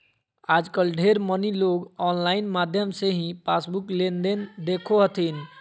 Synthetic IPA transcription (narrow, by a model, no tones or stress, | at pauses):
ad͡ʒkəlɖʱeɾməniloɡɔnlaɪnmad̪ʱjəmseɦĩpasbuklend̪end̪ekʰoɦət̪ʰin